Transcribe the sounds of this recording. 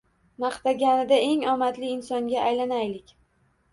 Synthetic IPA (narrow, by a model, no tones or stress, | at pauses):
maχt̪aɡʲanɪd̪ae̞ŋɒmat̪lɪɪnsɒŋɡʲaajlanajlɪkʲ